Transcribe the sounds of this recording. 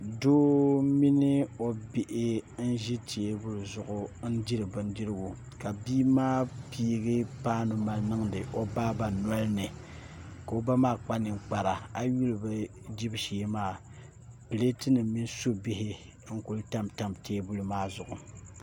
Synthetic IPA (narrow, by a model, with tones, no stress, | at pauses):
doː˦mi˦nɪ˦o˨bɪ˨ʔɪ˦n̩˦ʒi˦tʰeː˨˦bu˦lu˨zʊ˨ʔʊ˦n̩˦di˦ɾɨ˨bɨ˨n˦di˦ɾɨ˦ɡu˨ | ka˨biː˦maː˦piː˦ɡɨ˦paː˦nʊ˨ma˨lnɨ˦ŋdɨ˨ʔo˦baː˦ba˨nɔ˦lnɨ˨ | ka˨o˦ba˦maː˦˨k͡pa˦nɨ˨ŋ͡mk͡pa˨ɾa˨a˦ju˦lbɨ˦ | di˦bʃeː˨˦maː˦˨ | pɨ˨le˦tɨ˦nɨ˨mi˦n˦so˦bi˦hɪ˦ | ŋ̩˦ku˦lta˦mta˦mteː˦bu˦lu˨maː˦zʊ˨ʔʊ˨